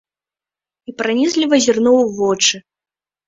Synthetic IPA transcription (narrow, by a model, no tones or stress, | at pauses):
ipɾanʲizʲlʲivɐzʲirnɔwvɔt͡ʂɨ